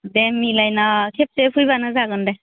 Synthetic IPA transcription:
demːilajnakʰep̚sepʰujbanɯzaɡɯndaj

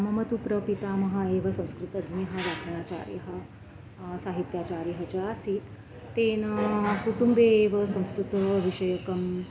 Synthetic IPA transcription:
ɐmɐmɐt̪upɾɐpit̪amɐɦaeːʋɐsɐ̃w̃skɾut̪ɐd̪njɐɦɐɾakʰɐɳ̃aːt͡ɕa̰ɾjɐ̰ɦɐ | saɦit̪jat͡ɕaːɾjɐɦɐt͡ɕaasiːt̪ː | enɐkuʈumbeːʋɐsɐ̃w̃skɾut̪əʋiʂɐjɐkɐm

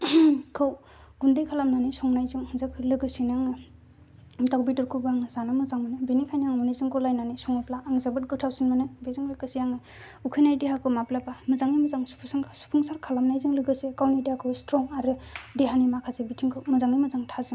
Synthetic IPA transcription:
kʰɯw | ɡundejkʰalamnanisɔŋnajzuŋhɯnzakʰɯlɯɡɯsinaŋɯ | dawbitɯɾkʰubɯaŋɯzanamɯzaŋmɯnɯbinikʰajnaŋmɔnizɯŋkolajnanisɔŋɯplaːŋzabɯt̚ɡɯtʰawsinmɯnɯbezɯŋlɯɡɯsijaŋɯ | ukʰɯjnajdeɦakʰɯwmaplapamɯzaŋimɯzaŋsu̥pʰsŋsu̥pʰuŋsaɾkʰalamnajzɯŋlɯɡɯsekawnijdeakʰɯwstɾɔŋaɾɯdeɦanimakʰazebitʰiŋkʰɯwmɯzaŋimɯzaŋtʰazɯŋ

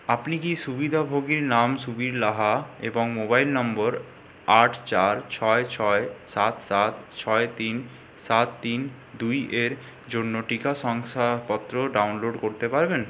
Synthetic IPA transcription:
apnikiʃubid̪ʱabʱoɡiɾnamʃubiɾlaɦaḛboŋmobajlnɔmboɾ | aʈʰt͡ɕaɾt͡ɕʰɔet͡ɕʰɔesat̪sat̪t͡ɕʰɔet̪in | sat̪t̪ːin | d̪ujeɾ | d͡ʑonːoʈikaʃɔŋsapɔt̪ːɾoɖawnloɖkoɾt̪epaɾben

